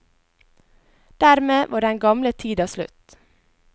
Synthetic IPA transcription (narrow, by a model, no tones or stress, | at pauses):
d̪̥æɾmeːʋɑːɖɛŋɡɑmlət̪ʰiːd̪ɑːslʉ̰t̪